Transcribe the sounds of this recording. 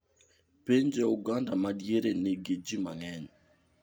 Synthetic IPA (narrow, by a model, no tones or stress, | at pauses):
peɲd͡ʒeuɡandamadjeɾeneɡed͡ʒimaŋɛɲ